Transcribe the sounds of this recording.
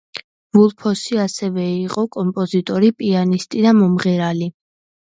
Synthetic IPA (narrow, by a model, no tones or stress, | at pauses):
vulˠpʰɔsiasɛvɛiqʼɔkʼɔmpʼɔzit̪ʼɔɾipʼianist̪ʼid̪amɔmʁɛɾali